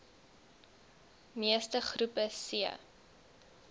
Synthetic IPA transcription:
miəstəχrupəsiə̰

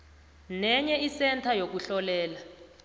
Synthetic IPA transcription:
nɛɲɛisɛntʰajok̬uɬɔlɛːla

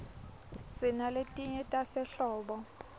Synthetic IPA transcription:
zɪnaletʼiɲɛtʼasɛɬɔːɓɔ

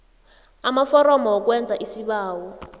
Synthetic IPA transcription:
amafɔɾɔmɔwɔk̬wɛnd͡zʱaʔisiɓaːwɔ

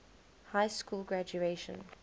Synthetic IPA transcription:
haɪskuːlˠɡɹad͡ʒueʃə̰̃n

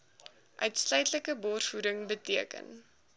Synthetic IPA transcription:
ʔœɥtslœɥtləkəbɔrfudəŋbətiəkə̰n

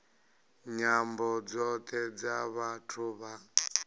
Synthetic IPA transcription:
ɲambɔd͡zɔt̪ʰɛd͡zaβatʰuβa

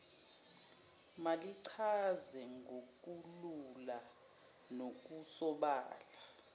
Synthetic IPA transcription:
maliǀʰazɛŋʱokʼulula | nok̬usɔɓaːla

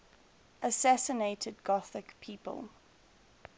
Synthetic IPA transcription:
ʔəsæsəneɪtʰəd̚ɡɒθɪkpʰiːpə̰lˠ

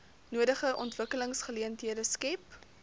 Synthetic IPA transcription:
nuədəχəʔɔntvəkələŋsχəliəntɦiədəskɛp

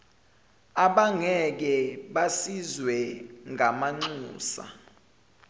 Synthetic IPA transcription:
aɓaŋɛk̬ɛɓasizwɛŋamaŋ͡ǀuːsa̰

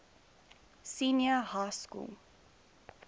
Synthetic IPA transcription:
siːniəhaskṵl

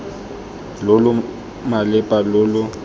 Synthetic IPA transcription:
lʊlʊ | malɪpʼalʊlʊ

